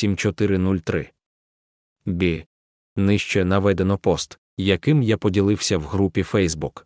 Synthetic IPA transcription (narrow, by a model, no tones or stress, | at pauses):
sʲimt͡ʃɔt̪ɪɾɪnulʲt̪ɾɪ̰ | bʲi | nɪʃt͡ʃɛnɐʋɛd̪enɔpɔst̪ | jɐkɪmjapɔdʲilˠɪwsʲɐwɦɾupʲifɛjzbuk